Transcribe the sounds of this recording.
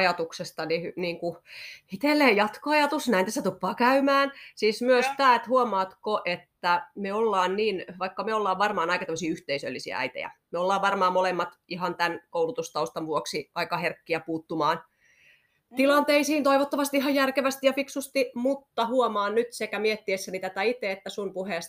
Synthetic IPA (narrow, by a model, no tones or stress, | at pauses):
jɑt̪uksest̪ɑnihyniːŋkuit̪elːeːjjɑt̪koɑjɑt̪usnæint̪æsæt̪upːɑːkæymæːnsiːsmyøst̪æːt̪huomɑːt̪koʔet̪ːæmeolːɑːnniːnʋɑikːɑmeolːɑːʋʋɑrmɑːnɑikɑt̪æmːøsiːyht̪eisø̰lːisiæ̰æ̰it̪ḛjæ̰meolːɑːʋʋɑrmɑːmolemːɑt̪ihɑnt̪ænkoulut̪ust̪ɑust̪ɑʋʋuoksiɑikɑherkːiæpuːt̪ːumɑːn | t̪ilɑnt̪eisiːnt̪oiʋot̪ːɑʋɑst̪iihɑjjærkeʋæst̪ijɑfiksust̪imut̪ːɑhuomɑːnnyt̪sekæmiet̪ːiesːænit̪æt̪æit̪eet̪ːæsumpuheˑst̪